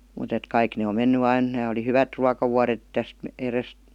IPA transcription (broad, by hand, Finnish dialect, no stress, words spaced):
mut et kɑik ne om menːy ɑin næː oli hyʋæt ruɑkɑʋuɑret tæst erest